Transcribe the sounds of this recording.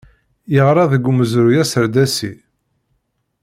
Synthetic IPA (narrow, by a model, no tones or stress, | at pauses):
jəʁɾˤɑðəɡʷːuməzɾujæsəɾd̪æsi